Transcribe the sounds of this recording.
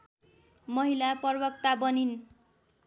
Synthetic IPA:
mʌɦilapʌrbʌk̚t̪abʌnin

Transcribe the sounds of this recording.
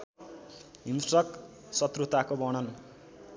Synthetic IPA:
insʈrʌk̚ | sʌt̪rut̪akobʌɽ̃ʌn

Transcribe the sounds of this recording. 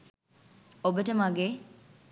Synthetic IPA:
obəʈəmaɡeː

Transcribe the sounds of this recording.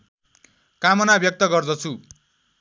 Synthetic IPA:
kamʌnabjʌk̚t̪ʌɡʌrd̪ʌt͡sʰu

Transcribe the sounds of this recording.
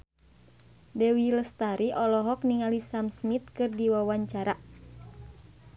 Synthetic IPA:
dɛwiləst̪aɾiʔɔlɔɦɔk̚niŋalisamsmit̪̚kɨrdiwawaɲt͡ʃaɾa

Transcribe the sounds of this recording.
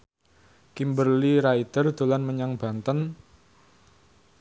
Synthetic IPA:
kimbərliɾait̪ərd̪̥o̤lanməɲaŋb̥a̤nt̪ən

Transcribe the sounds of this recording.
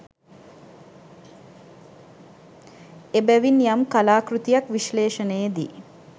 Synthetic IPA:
ebæʋinːijamkalaːkɾut̪ijɐkʋiʃleːʃənəjed̪iː

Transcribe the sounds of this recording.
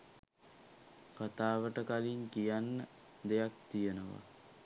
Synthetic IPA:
kat̪aːʋəʈəkaliŋkijanːə | d̪ejak̚t̪ijənəʋa̰

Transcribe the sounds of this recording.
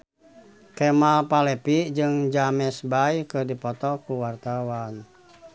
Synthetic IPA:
kɛmalpalɛpid͡ʒɨŋd͡ʒamɛsbajkɨrdipɔt̪ɔkuwart̪awan

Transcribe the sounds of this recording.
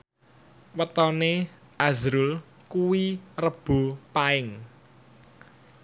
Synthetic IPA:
wət̪ɔne | ʔazɾʊl | kuwirəb̥o̤paɪŋ

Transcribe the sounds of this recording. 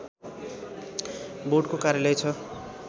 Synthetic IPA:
boɖkokaɾjʌlejt͡sʰʌ

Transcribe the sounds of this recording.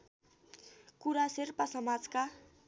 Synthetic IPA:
kuɾaserpasʌmad͡zka

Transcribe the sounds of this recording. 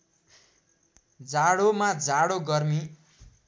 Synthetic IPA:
d͡zaɽomad͡zaɽoɡʌrmi

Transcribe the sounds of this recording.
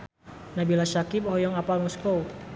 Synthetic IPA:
nabilasakip̚hɔjɔŋapalmɔskow

